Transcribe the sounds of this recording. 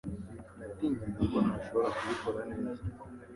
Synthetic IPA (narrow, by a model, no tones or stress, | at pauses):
nat̪iɲinukonaʃoβoɾakuβikoɾaneːza